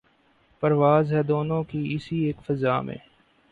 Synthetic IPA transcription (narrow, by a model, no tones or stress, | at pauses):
pəɾʋaːzɦɛd̪oːnõːkiɪsieːkfəzaːmḛ̃ː